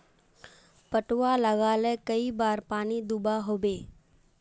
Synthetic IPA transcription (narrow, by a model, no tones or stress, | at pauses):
pəʈwalɐɡaːlẽkɐibaːɾpaːnid̪ubaɦoːbeː